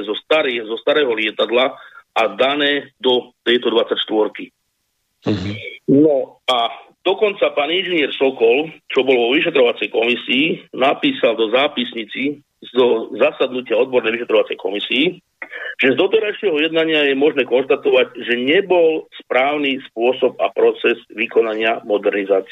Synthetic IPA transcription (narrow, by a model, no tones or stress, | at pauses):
zɔst̪aɾizɔst̪aɾɛːɦɔlɪɛt̪ad̪laʔad̪anɛːd̪ɔt̪ɛjt̪ɔd̪ʋat͡sːacʃt̪ʋɔɾki | nɔad̪̥ɔkɔnt͡sapaːninʒɛnɪɛɾsɔkɔlt͡ʃɔbɔlʋɔʋiʃ̬ɛt̪ɾɔʋat͡sɛjkɔmisiːnapiːsald̪ɔzaːpisɲit͡si | zɔzasad̪nucɪaɔd̪̚bɔɾnɛjʋiʃɛt̪ɾɔʋat͡sɛjkɔmisiː | ʒ̥ɛzd̪ɔt̪ɛɾajʃɪɛɦɔjɛd̪̚naɲɪajɛmɔʒnɛːkɔnʃt̪at̪ɔʋaɟʒɛɲɛbɔlspɾaːʊnispʊɔsɔpa̰pɾɔt͡sɛzʋikɔnaɲɪamɔd̪ɛɾnizaːt͡si